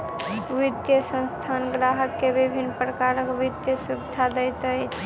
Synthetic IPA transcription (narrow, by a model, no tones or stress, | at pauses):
ʋid̪jəsə̃nst̪ʰanɡɾaɦəkːebibʱinːpɾəkaɾəkʋid̪jəsubid̪ʱad̪əjt̪əjt͡ʃʰ